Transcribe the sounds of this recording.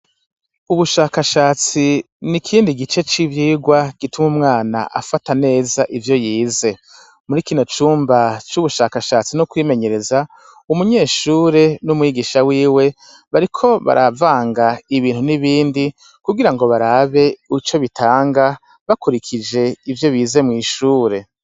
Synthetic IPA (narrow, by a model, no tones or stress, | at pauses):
uβuʃaːkaʃaːt͡si | nikʰiːndiɡit͡ʃe̞t͡ʃiβjiːɡwaɡ̥itumumŋaːna̰ʔa̰fatane̞ːzaʔivjo̞jiːze̞ | muɾikiːno̞t͡ʃuːmbat͡ʃuβuʃaːkaʃaːt͡sinukwiːme̞ɲe̞ɾe̞za | umuɲe̞ːʃuːɾe̞numwiːɡiʃawiːwe̞ | βaɾikʰo̞βa̰ɾʔavaːŋɡaiβiːnhuniβiːndi | kuɡiɾaŋɡo̞βaɾaβe̞ut͡ʃo̞βitʰaːŋɡa | βakuɾikʰid͡ʒe̞ivjo̞βiːze̞mŋiːʃuːɾe̞